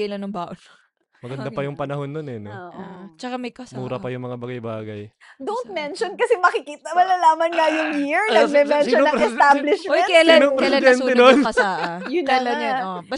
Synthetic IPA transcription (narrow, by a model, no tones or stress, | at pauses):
ɐlɐnːʊŋbaʔol | mɐɡɐnd̪apɐjʊŋpɐnɐho̞nːonɛnɛoʔt͡ʃɐkamɐjkmuːɾɐpɐjʊŋmɐŋabɐɡɐjbaːɡɐj | d̪ont̪̚mɛnʃonkɐsɛmɐkɪkiːt̪ɐmɐlɐlaːmɐnŋɐjʊŋjiɹnɐɡ̚mɛmɛnʃɔnɐŋɛsablɪʃmɛjnkɐjɐlnoŋpɾɛsɪd̪ɛnt̪ɛd̪onjʊnɐlaɐo | b